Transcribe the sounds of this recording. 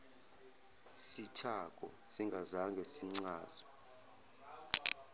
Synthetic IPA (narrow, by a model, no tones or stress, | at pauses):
sitʰak̬ʼɔ̰siŋɡʱazaŋɡʱesiŋ͡ǀaːz̥ɔ